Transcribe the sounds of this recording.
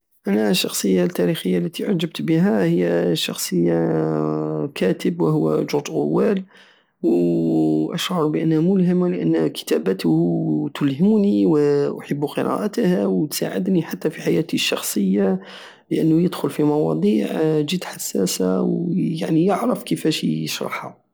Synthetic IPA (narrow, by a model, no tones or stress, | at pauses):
ʔænæʃːɑxsˤəjːalt̪ːæɾixəjːalːæt̪iʕad͡ʒəbt̪bəɦæhəjːæʃɑ̰xsˤəjːa | kʰæt̪əbwəɦʊwːæ̰ʒʊɾt̪ʔʊ̰wːæl | w | ʔæʃʕʊɾˤbəʔənːhæmʊlɦəmləʔə̰nːkə̥t̪æbət̪hut̪ʊlhəmuniwʔʊħəbːuqəɾɑ̰ʔət̪hæwt̪sa̰ʕə̰d̪niħat̪ːæfiħajæt̪iʃːɑxsˤəjːa | ləʔənːujəd̪xʊlfimɑwɑ̰d̪ˤiːʕd͡ʒit̪ħasːæsa̰wjaʕnijəʕɾəfkəfæʃjəʃɾˤɑ̰ħha̰